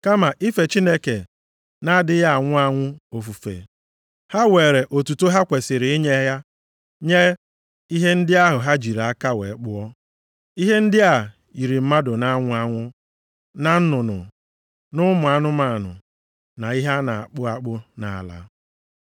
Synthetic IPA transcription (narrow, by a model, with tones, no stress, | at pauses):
ka˦ma˨ʔi˦fe˨t͡ʃi˦ne˦ke˨ | na˦dɪ˦ja˦a˨ŋʷʊ˦a˦ŋʷʊ˦o˨fu˨fḛ˨ | ha˦weː˨ɾe˨ʔo˨tu˨to˦ɦa˦kʷe˨sɪ˨ɾɪ˨ɪ˦ɲe˦ɦja˦ | ɲe˦ | i˦ɦe˦n̩˦dɪ˦a˦ɦʊ˨ɦa˦d͡ʒi˨ɾa˨a˦ka˦wḛ˨˦k͡pʊ˦ɔ˦ | i˦ɦe˦n̩˦dɪ˦a˨ | i˨ɾi˨m̩˦ma˦dʊ˨na˦ŋʷʊ˦a˦ŋʷʊ˦ | na˨n̩˦nʊ˨nʊ̰˨ | nʊ˦mʊ˨a˦nʊ˦ma˨nʊ̰˨ | na˨i˦ɦa˦na˨a˨k͡pʊ˦a˦k͡pʊ˦na˨a˨la̰˦